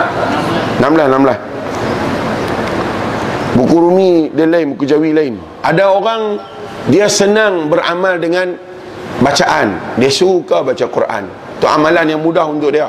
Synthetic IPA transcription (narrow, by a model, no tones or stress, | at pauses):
namlahnamlah | bukuɾumidialainbukud͡ʒawilain | ʔadaoɾaŋ | diasənaŋbəɾa̰maldəŋan | bat͡ʃaʔandiasuukabat͡ʃakuɾʔa̰n | t̪ʊʔamalanjaŋmudahunt̪ʊʔ̚dia